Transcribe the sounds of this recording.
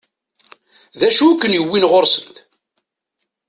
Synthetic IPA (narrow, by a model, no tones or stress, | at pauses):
ðæʃukːənjəwːinʁoɾsənt̪